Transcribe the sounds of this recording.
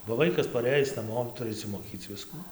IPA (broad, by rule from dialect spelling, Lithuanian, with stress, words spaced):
bɐ ˈʋɐɪkɐs pɐˈrɘjɪs nɐˈmoː ˈtʊrʲɪ ɪʃʲsʲɪmoːˈkʲiːt͡s ˈʋʲɪskuː